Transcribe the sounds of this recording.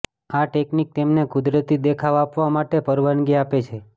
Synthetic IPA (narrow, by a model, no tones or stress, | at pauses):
aʈeknik̚t̪emnekʊd̪ɾət̪id̪ekʰaʋapʋamaʈepəɾʋənɡiapet͡ʃʰe